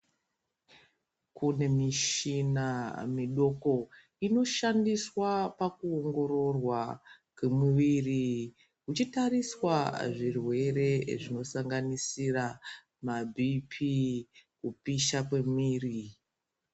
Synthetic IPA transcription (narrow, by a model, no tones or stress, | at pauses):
kune̞miʃinamiɗo̞ko̞ | ino̞ʃandiswapakuoŋɡo̞ɾo̞rwa | kwemuʋiri | kut͡ʃitaɾiswaʐirwe̞ɾe̞ʐino̞saŋɡanisira | mabʱipʰikupiʃakwe̞miːri